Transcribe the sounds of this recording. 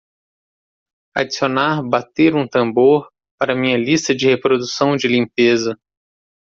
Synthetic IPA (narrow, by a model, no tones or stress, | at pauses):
a̰d͡ʒisionaɾbat̪eɾũt̪ɐ̃boɾ | paɾɐmĩɲɐlist̪ɐd͡ʒɪhepɾod̪usɐ̃w̃d͡ʒɪlĩmpezɐ